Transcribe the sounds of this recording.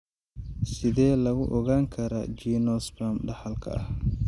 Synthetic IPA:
sɪðɛːlɐɣʊʔɔɣaːŋkʰɐɾɐ̰d͡ʒiːnɔsbɾɐmɖɑħɐlkʰɐ̰ʔɐh

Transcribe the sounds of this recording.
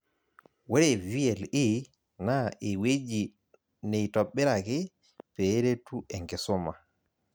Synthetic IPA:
wɛɾɛviɛli | naʔewed͡ʒi | nɛtɔɓːɛɾaki | pɛɾetuɛŋɡɛsɔma

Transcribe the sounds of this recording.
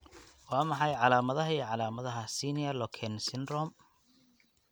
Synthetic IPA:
wɑːmɑħɑjʕɑlaːmɐðɐɦɐiːʕɑlaːmɐðɐɦɐsiːniɐlɔkʰɛnsɪnrɔm

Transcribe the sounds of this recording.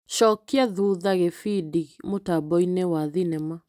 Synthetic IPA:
ʃɔkiaðuðaɣefidiɣmotabɔinewaðinɛma

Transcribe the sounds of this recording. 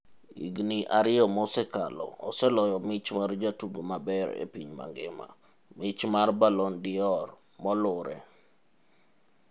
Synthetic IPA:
ḭɡniʔaɾɪɔmɔsɛka̰lɔ̰ɔsɛlɔjɔmɪt͡ʃmard͡ʒatuɡomabɛɾḛpiɲma̰ŋɡɪ̰ma̰ | mɪt͡ʃmarbalɔndɪɔr | mɔlʊɾɛ̰

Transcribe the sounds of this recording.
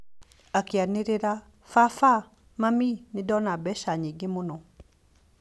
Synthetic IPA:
akeaneɾeɾa | fafa | maminɪdɔnabɛʃaɲiɡemonɔ

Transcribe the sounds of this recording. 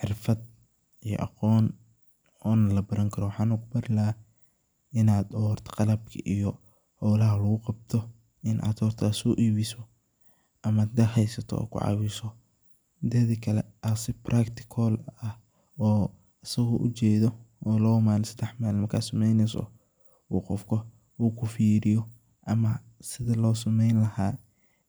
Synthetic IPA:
ħɪrfɐd̪̚ | ijɔ̰ʔɑ̰qɔːn | ɔːnɐlɐbɐɾɐŋkʰɐɾɔwɑħɑːnʊkʊbɐɾɪlɐ | ɪnaːd̪ɔːrt̪ʰqɑlɐb̚kʰɐ̰ʔijɔ | hɔlɐɦɐlɐɣʊqɑb̚t̪ʰɔ | ʔɪnʔa̰ːd̪ɔːrt̪ʰaːsɔːʔiːβɪsɔ | ʔɐmaːd̪d̪ɐɦɛjsɐt̪ʰɔ̰ɔ̰kʰʊ̰ʕɑ̰ːwɪsɔ | d̪ɛðikʰɐlɛʔɐsɪprʔakt̪ʰɪ̥kʰɔlɐ | ɔː | ɐsɐɣɔʔʊ̰t͡ʃɛːðɔʔɔːlɔːmaːlɪnsɐd̪ɛħmaːlmɐkʰasɐmɛjnɛsɔ̰ | wuːqɔfkʰɔ | uːkʰʊfiːɾɪjɔ | ʔɐmɐsɪðɐlɔːsɐmɛjnlɐhaː

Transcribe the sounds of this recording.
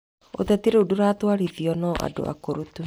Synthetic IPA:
o̰t̪ɛt̪iɾeoduɾaːt̪waɾiðiɔnɔʔa̰do̰a̰koɾot̪u

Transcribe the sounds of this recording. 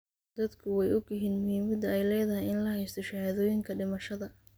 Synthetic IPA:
d̪̥ɐd̪kʰʊwɛjʊɡɪɦiːnmʊhiːmɐd̪ɐɛjlɛːjðɐɦɪjɪnlɐhɛjst̪ʰɔʃɐhaːðɔːjɪŋkʰɐɖɪmɐʃɐðɐ

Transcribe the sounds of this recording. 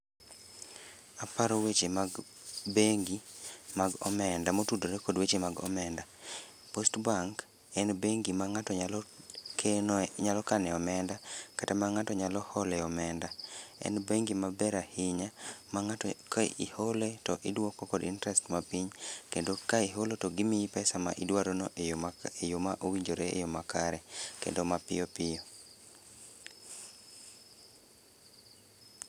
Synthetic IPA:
apaɾowet͡ʃemaɡ | beŋɡimaɡɔ̰mɛndamotudoɾekɔdwet͡ʃemaɡɔ̰mɛnda | postbaŋk | ɛnbeŋɡimaŋatɔɲalɔkʰenɲalɔkanɛɔmɛndakatamaŋatɔɲalɔhɔlɛɔmɛndaɛ̰nbeŋɡimabɛɾahɪɲamakḭholetɔʔidwokɔkɔdintɾɛstmapiɲkendokaiɦolotɔɡimipɛsama̰ʔidwaɾonoʔejomaʔowiɲd͡ʒoɾeḛjomakaɾɛkḛndomapɪ̰jɔpɪo

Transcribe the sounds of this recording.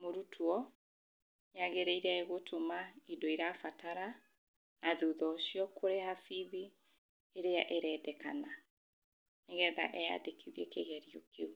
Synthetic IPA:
moɾutʰuɔ | jaɣeɾɛiɾaeɣotʰomaidoiɾafatʰaɾa | naðuðɔʃiɔkʰoɾehafiði | eɾeaʔeɾɛdɛkana | neɣɛða̰ʔɛja̰dekʰiðiɛkeɣɛɾiokeu

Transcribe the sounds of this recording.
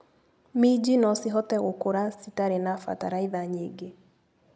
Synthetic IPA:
mid͡ʒinɔsiɦɔtɛɣokoɾasitaɾenafa̰ta̰ɾaiðaɲeɡe

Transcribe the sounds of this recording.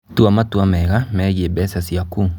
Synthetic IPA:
tuamatuamɛɣamɛɣebɛsasiaku

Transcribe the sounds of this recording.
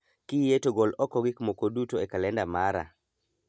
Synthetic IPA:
kijetoɡɔlɔkɔɡɪkmokodutoekalɛndamaɾa̰

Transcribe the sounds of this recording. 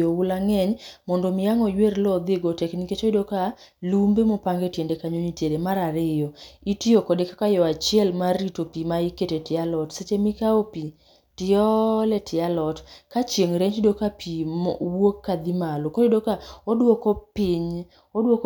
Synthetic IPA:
oʊlaŋɛɲmɔndɔmɪjaŋɔjwerlɔd̪ɪɡotɛkniket͡ʃoidoka | lumbemɔpaŋɡetjendekaɲoɲitjeɾemaɾaɾɪjɔitiokɔdekakajɔat͡ʃɪɛlmaritopimaiketetɪalɔtset͡ʃemikaopi | tɪɔlɛtʰɪalɔtkat͡ʃjeŋɾeɲd͡ʒdokapiwokːad̪imalokɔidokaodwokɔpɪɲ | odwok

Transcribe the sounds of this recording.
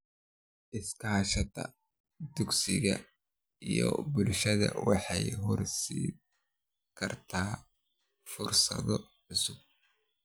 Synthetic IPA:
ʔɪskʰɐɦɐʃɐd̪ɐ̰ | d̪ʊɡsɪɣɐ | ijɔ̰bʊlʃɐðɐ̰wɑħɑjɦɔrsiː | kʰɐrt̪ʰaː | fʊrsɐðɔʕʊsʊɡ̚

